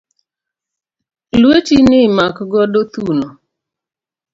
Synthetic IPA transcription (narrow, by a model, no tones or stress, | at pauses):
lwet͡ʃinɪmakɡɔdot̪uno